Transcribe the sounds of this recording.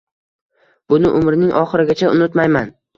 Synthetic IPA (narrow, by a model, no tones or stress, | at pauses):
b̥ʊnɪʔʊmɾɪnɪŋʔɒχɨɾɪɡʲat͡ʃʰaʊnɪt̪majman